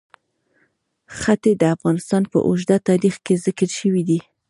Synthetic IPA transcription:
xat̪ed̪əafɣɑnɪst̪ɑnpə̰ʔʊʒd̪at̪ɑɾixkezɪkəɾʃəwid̪i

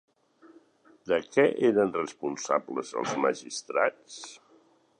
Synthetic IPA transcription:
d̪əkɛʔeɾənrəspunsabləzə̰lˠzməʒist̪ɾa̰t͡s

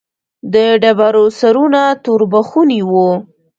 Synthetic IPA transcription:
d̪əɖabaɾosaɾunat̪oɾbaxuniwu

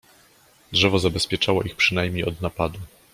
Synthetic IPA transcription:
dʐɛvɔzabɛspʲjɛt͡ʂawɔʔixpʂɘnajmɲejɔd̪napad̪u

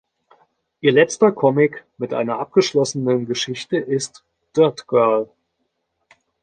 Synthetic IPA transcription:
ʔiːɐlɛt͡stɐkʰɔmɪkmɪtʔa̰ɪnɐʔap̚ɡ̥əʃlɔsənənɡəʃɪçtəʔɪst | d̥œɐtɡ̥œɐl

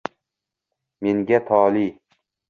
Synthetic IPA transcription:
me̞ŋɡʲat̪ʰɒːli

